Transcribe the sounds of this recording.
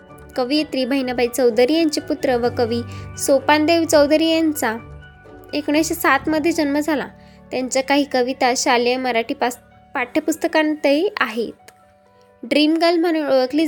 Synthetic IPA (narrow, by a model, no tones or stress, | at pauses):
kəʋijet̪ɾiːbʱəɦinabait͡səwd̪ɾiːjaɲt͡ɕiput̪ɾəʋəkəʋiːsopand̪eʋt͡səwd̪ɾiːjant͡sa | ekɽ̃jãɕesat̪məd̪ʱːjed͡ʑənməd͡zʱala̰t̪jaɲt͡ɕakaɦiːkəʋit̪aɕaljəməɾaʈiːpas | paʈʰːəpust̪əkant̪əeaɦḛt̪̚ | ɖɾimɡəlm̤əɽ̃uːnoʋəkliː